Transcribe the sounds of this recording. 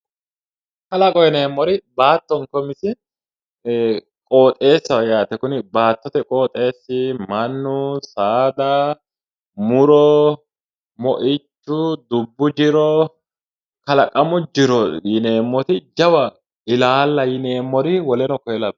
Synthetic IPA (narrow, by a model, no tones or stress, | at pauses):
kɐlɐkʼɔjɛneːmːɔɾɪbaːt̪ːɔŋkɔmɪsɪ | kʼo̞ːt̪ʼe̞ːsːɐwɐjaːt̪ɛkʊnɪbaːt̪ːɔt̪ɛkʼoːt̪ʼːe̞ːsːɪmɐnːʊsaːd̪ɐ | mʊɾɔ | mɔʔɪt͡ʃːʊd̪ʊbːʊd͡ʒɪɾɔ | kɐlɐkʼːɐmʊd͡ʒɪɾɔjɪneːmːɔt̪ɪd͡ʒɐwɐ | ɪlaːlːɐjɪneːmːɔɾɪwɔlɛnɔkɔjɛlɐb